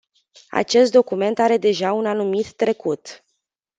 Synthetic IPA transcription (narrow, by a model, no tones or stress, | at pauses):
a̰t͡ʃe̞st̪̚d̪o̞kume̞nt̪aɾe̞d̪e̞ʒaunanumit̪ːɾe̞kut̪